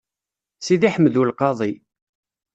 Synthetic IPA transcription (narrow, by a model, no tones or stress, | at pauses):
siðiħəmːðulqɑðˤi